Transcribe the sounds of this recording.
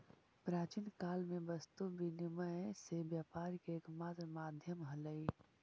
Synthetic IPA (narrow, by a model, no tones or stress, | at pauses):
pɾaːt͡ʃinkaːlmẽbɐst̪ubinɪməsebjaːpaːɾkeːkmaːt̪ɾmaːd̪ʱjəmɦɐləi